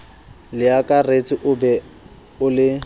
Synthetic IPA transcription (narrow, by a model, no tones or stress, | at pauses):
lɪakʼaret͡sʼɪʔʊbɛ | ʊlɪ